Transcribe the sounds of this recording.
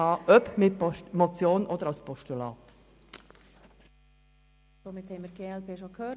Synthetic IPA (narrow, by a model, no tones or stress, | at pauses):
ɑːʔœpmɪt̚mot͡sjoːnʔodəɾaʊspʰɔʃtulɑːt | doːmɪt̪hɛɪməɾɡeːɛlpʰeːʃokʰøː